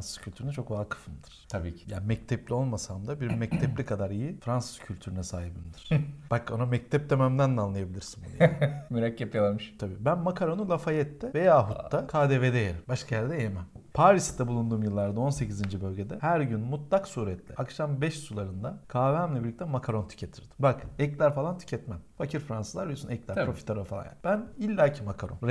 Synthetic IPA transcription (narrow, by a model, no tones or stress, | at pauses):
nsɯ̥z̥cʰylʲt̪ʰyɾynyt͡ʃʰo̞kvaːkʰɯ̥fɯmd̪ɯɾ̥t̪ʰabiːcʰi̥jaːnmɛc̚t̪ʰɛplʲio̞lˠmasamd̪abiɾimmːɛct̪ʰɛplʲikʰad̪aɾijifɾansɯ̥z̥cʰylʲt̪ʰyɾynɛsaːɦibimd̪iɾ̥b̥ako̰namɛct̪ʰɛp̚d̪ømæmd̪ænd̪ɛanlˠajabilʲiɾsinbṵnjmyɾacːapjalˠamɯʃt̪ʰabiːbænmakʰaɾonulˠafajɛt̪ʰːɛvejaːɦuːakʰaːd̪eved̪ejeɾimbaʃkʰajæɾd̪ɛjemɛmpʰaːɾist̪ʰːɛbulˠund̪uːmjɯlˠːaɾd̪ao̞nse̞cizind͡ʒibølʲɟe̞d̪ɛhæɾɟynmut̪lˠaksuːɾɛt̪ʰlʲɛ̰akʃambɛʃsulˠaɾɯnd̪akʰaːvæmlʲɛbiɾlʲic̚t̪ʰɛmakʰaɾo̞nt̪ʰy̥cʰet̪ʰiɾd̪i̥mbakɛclʲæɾfalˠant̪ʰy̥cʰɛt̪mæmfacʰiɾfɾansɯzˠaɾbiijosunɛclʲæɾpɾo̞fi̥t̪ʰaɾofalˠa̰nja̰nbænilʲːaːcʰimakʰaɾonɾ